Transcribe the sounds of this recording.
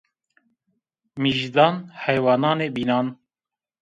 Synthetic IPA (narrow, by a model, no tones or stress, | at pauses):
miʒd̪ɑːnhɛjwɑːnɑːneːbiːnɑːn